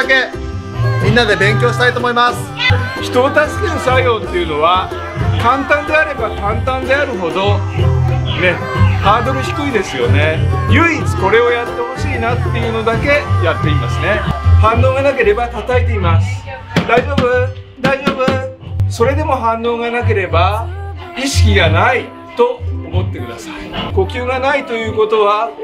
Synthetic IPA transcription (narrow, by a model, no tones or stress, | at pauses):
ke̞ | mʲĩnːad̪e̞bẽ̞ŋkʲo̞ːɕi̥t̪ait̪oːmoimasɨ̥çi̥t̪o̞ːt̪asi̥d̪eɯsaijo̞ːt̪ːe̞jɯ̟no̞βa | kãnt̪ãnd̪e̞aɾe̞bakãnt̪ãnd̪e̞aɾɯ̟ɦo̞d̪o̞ | ne̞ | haːd̪o̞ɾɯ̟çi̥kɯ̟id̪e̞sɨjo̞ne̞jɯ̟it͡sɨ̥ko̞ɾe̞o̞jat̪ːe̞ho̞ɕiːnat̪ːe̞jɯ̟no̞d̪ake̞jat̪ːe̞imasɨne̞hãnːo̞ːɡanake̞ɾe̞bat̪at̪ait̪e̞imasɨ̥ | d̪aiʑo̞ːbɯ̟ | d̪aiʑo̞ːbɯso̞ɾe̞d̪e̞mo̞ɦãnːo̞ːɡanake̞ɾe̞ba | iɕi̥kʲiɡanai | t̪o̞omo̞t̪ːe̞kɯd̪asaiko̞kʲɨːɡanait̪o̞jɯ̟ːko̞t̪o̞βa